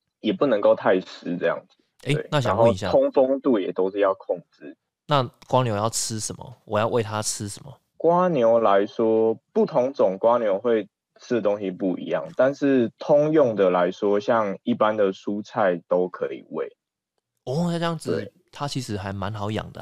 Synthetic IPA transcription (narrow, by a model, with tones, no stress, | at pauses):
jɛ˨˩pu˥˩nə˧˥ŋko˥˧ʊt̪ʰa˥˧ɪsɻ̩˥t͡sɤ˥˧jɑ̰˥˨˩ŋd͡zɹ̩˨˩ | e˦wḛ˥˨˩ɪna˥˨ɕɑa˨˧˦ŋnxo˥˨ʊ˨i˦ɕja˨ʊ˥ŋfo˦ŋt̪u˥˩jɛ̰˨˩t̪o˥ʊʂɻ̩˥˧jɑ˥˧ʊkʰɔ˥˧ŋt͡sɻ̩˥˩ | na˥˨kwa˥njo˧˥ʊjɑ˥˨ʊʈ͡ʂ̩ʰ˦ʂə˨˦nmə̰˩wɔ̰˨˩jɑ˥˧ʊwe˥˨ɪt̪ʰa˦˥ʈ͡ʂʰɻ̩˦˥ʂə˨˩nmə̰˩ | kwa˦˥njo˧˥ʊla˧˦ɪʂwɔ˥pu˥˩t̪ʰʊ˨˦ŋt͡sʊ˨˩ŋkwa˦njo˧˥ʊxwe˥˩ɪ | t͡sʰɨ˥˩o˦˥ŋɕi˨pu˥˩ḭ˨˧˦jɑ̰˥˩ŋt̪a˥˧nʂɻ̩˥˨t̪ʰʊ˥ŋjʊ˥˩ŋd̪ə˨la˧˦ɪʂwɔ˥ɕjɑ˥˧ŋi˥˩pa˦nd̪ə˨su˦t͡sʰa˥˩ɪt̪o˥ʊkʰɤ˧˦ḭ˨˩wḛ˥˩ɪ | ɔ˥˨˩ə˥˦jɑ˥˩ŋd͡z̩˨e˩˥˩ | t̪ʰa˦˥t͡ɕʰi˧˦ʂɻ̩˨˧˥xa˧˥ɪma˧˦nxɑ˨˥ʊjɑ̰˨˩ŋd̪ə̰˦